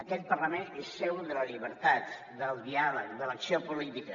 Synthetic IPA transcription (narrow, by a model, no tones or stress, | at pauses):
əkɛt̪̚pərləmenesːewðələliβəɾt̪at̪ | d̪əlˠzðialəkðələksiopulit̪ikə